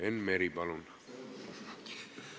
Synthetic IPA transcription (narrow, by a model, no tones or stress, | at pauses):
ɛnmɛɾibalun